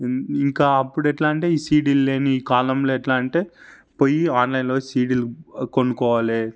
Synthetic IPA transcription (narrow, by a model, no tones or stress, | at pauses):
iŋkaːɐpːuɽɛʈlaːɳʈeːiːsiːɽilːeːniiːkaːlɐmloːɛʈlaːɳʈeː | pojiaːnlɐjnlo̞ːsiːɽilukoɳːukɔːʋaːle